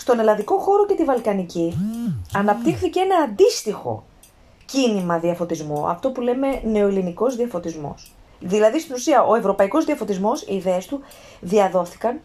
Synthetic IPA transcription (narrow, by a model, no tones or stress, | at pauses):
st̪o̞ne̞lɐnðiko̞xo̞ɾo̞ce̞t̪ivɐlkɐniciɐnɐp̚t̪ixθicee̞nɐːnd̪ist̪ixo̞̰ | cinimɐðiɐfo̞t̪izmuɐ̰ft̪o̞pule̞me̞ne̞o̞iliniko̞zðiɐfo̞t̪izmo̞̰sðilɐðist̪inusiɐʔo̞e̞vɾo̞pɐiko̞zðiɐfo̞t̪izmo̞sḭːðeest̪u | ðiɐðo̞θi̥kɐn